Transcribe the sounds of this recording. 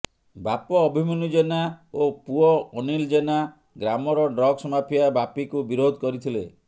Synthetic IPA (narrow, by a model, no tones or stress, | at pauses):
bapɔːbʱimɔnud͡ʒenaopuɔɔnild͡ʒena | ɡɾamɔɾɔɖɾɔɡsɔmapʰijabapikubiɾod̪ʱɔkɔɾit̪ʰile